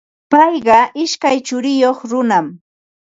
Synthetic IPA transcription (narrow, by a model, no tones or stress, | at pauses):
pɑjɢɑʔɪʃkajt͡ʃʊɾɪjoχɾʊnam